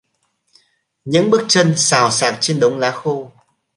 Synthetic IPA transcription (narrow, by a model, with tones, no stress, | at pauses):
ɲɨ̰˧˥ŋɓk̚t͡ɕə˧nsaː˨˩wsaː˨˩t̚t͡ɕe˧nɗə˨˦wŋ͡mlaː˨˦xu˧